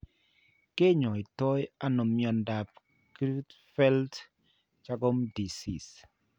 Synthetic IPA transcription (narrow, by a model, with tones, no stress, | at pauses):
ke˦ɲɔ˨i˨tɔ˦ja˦no˨mjɔ˨nda˨p̚ | kɾt | fɛ˦lt | t͡ʃa˦ɡo˦mdi˨si˨s